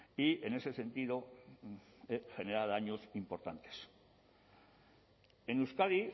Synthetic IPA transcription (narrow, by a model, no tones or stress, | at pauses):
ie̞ne̞se̞se̞nt̪iðo̞ | exe̞neɾaðaɲosimpo̞ɾt̪ant̪e̥s | enewskaði